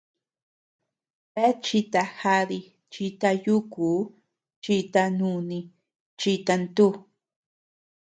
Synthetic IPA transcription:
βe˦t͡ʃi˧t̪a˧xa˧ði˧ | t͡ʃi˧t̪a˧ju˦kuː˨˦ | t͡ʃi˧t̪a˧nũ˧nĩ˧ | t͡ʃi˧t̪a˧nt̪u˦˧

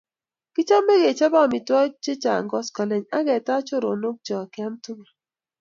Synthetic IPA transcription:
ki˦t͡ʃa˦mːe˦ɡe˨t͡ʃa˦ba˦˨mi˨twɔ˦t͡ʃe˦t͡ʃa̰˨ŋ˦ɡɔ˦skɔ˨le˦˨ɲa˦ɡɛ˨ta˦t͡ʃo˦ɾo˨no˦k̚t͡ʃɔ˨kɪ˦a˦mtu˦ŋa˨

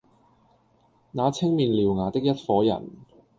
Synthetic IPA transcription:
naː˨˧t͡sʰɪ˥ŋmiː˨nliː˨˩wŋaː˨˩t̪ɪ˥k̚jɐ˥t̚fɔː˨˥jɐ̰˨˩n

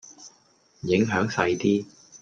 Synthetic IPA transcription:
jɪ˨˥ŋɦœː˨˥ŋsɐ˧jt̪iː˥

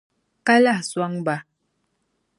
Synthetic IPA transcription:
ka˦la˦˨swa˦ŋba˨

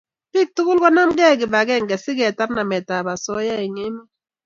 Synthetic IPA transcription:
pi˦˨k̚tu˦ku˦lkɔ˦na˦mɡɛ˦˨ki˨ba˨kɛ˦˨ŋɡɛ˨si˦ɡɛ˨ta˦ɾna˨mɛ˨ta˨ba˨sɔ˦ja˦i˨ŋe˦ma˦

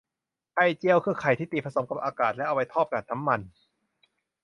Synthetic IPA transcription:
kʰa˧˩jt͡ɕi˧əwkʰɯː˧kʰa˨˩jt̪ʰiː˥˩iː˨˩pʰa˧so˩˦mka˨˩p̚ʔaː˧kaː˨˩t̪̚lɛ˦˥ʔa˧wa˧jt̪ʰɔː˥˩p̚kaː˨˩t̪̚na˦˥mːa˧n

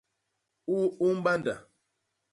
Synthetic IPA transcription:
u˦u˦m̩˦ɓa˦nda̰˨

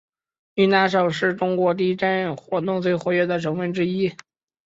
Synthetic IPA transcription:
y˥˩na˧˥ʂ̬ɤ˨˩ʊʂɻ̩˥˩ʈ͡ʂʊ˥ŋkwɔ˧˥t̪i˥˩˥ʈ͡ʂa˥n˥˩nxwɔ˧˥t̪ʊ˥˧ŋt͡swe˥˩ɪxwɔ˧˥ɥɛ˧˥˩d̪ə˨˩ʈ͡ʂʰɤ˧˥ŋfə˧˥nʈ͡ʂɻ̩˥i˥

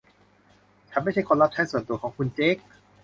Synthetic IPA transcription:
t͡ɕʰa˧˥nma˥˩jt͡ɕʰa˥˩jkʰo˧nla˦˥p̚t͡ɕʰa˦˥jsu˨˩ənt̪u˧kɔː˩˦ŋkʰu˧nt͡ɕeː˦˥k̚

